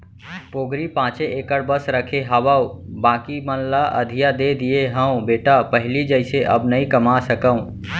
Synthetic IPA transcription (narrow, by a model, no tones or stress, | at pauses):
poːɡɾipãːt͡ʃeʔeːkəɽbəsɾəkʰeɦəʋaubãːkimənlaʔəd̪ʱijad̪ed̪ijeɦə̃ũbeːʈapəɦɪlid͡ʒəɪseʔə̰bnəĩkəmasəkəũ